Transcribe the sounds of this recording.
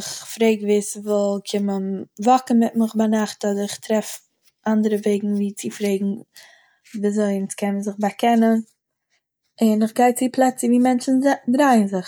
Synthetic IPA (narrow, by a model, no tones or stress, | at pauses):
ɪχfɾeɪɡveːsvɔlˠkʰɪmənvɔkən̩mɪt̚mɪχbanaχtɔdəɾɪχtɾɛf | ʔandəɾəveɪɡŋ̩viːt͡sɪfɾeɪɡŋ̩ | viːzoɪnt͡skʰɛmənzɪχbakʰɛnən | ɪnɪχɡaɪt͡sɪpʰlˠɛt͡səviːmɛnt͡ʃn̩dɾaɪənzɪχ